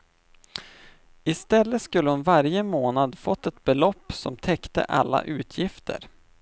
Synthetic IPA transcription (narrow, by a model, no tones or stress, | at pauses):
ɪst̪ɛlːət̪skɵlːəhʊnvaɾjəmoːnad̪fɔt̪ːɛt̪̚bɛlɔpːsɔmt̪ʰɛkt̪ə̰ʔa̰lːa̰ʔʉ̟ːt̪ʰjɪft̪ʰə̰ɾ